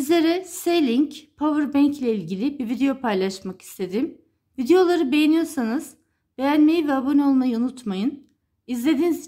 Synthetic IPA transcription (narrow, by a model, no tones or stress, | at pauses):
izlʲe̞ɾɛselʲiɲcpʰavɯɾbæɲclʲɛilʲɟilʲibivid̪ejo̞pʰajlˠaʃmaki̥st̪ʰe̞d̪im | vid̪ejo̞lˠaɾɯbe̞jenijo̞ɾsanɯz̥ | b̥ejænme̞jivɛabo̞nio̞lˠmajɯunut̪majɯn | izlʲe̞d̪iniz